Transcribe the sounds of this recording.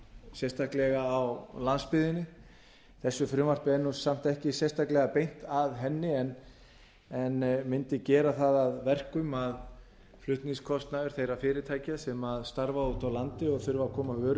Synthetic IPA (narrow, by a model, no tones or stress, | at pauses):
sjɛst̪ahklɛɣaːwlanspɪðɪnːɪ | θɛsːʏfɾʏːmvar̥pɪɛnːusam̥t̪ɛhcɪsjɛst̪ʰaklɛɣapejn̥t̪aðɦɛnːɪɛn | ɛnmɪnt̪ɪcɛːɾaθaðaðvɛr̥kʏmað | flʏht̪niŋskʰɔst̪naðʏɾ̥θejɾafɪːɾɪt̪ʰaːjcasɛmaðst̪aɾvaut̪awlant̪ɪɔɣθʏɾvakʰɔːmavœːɾ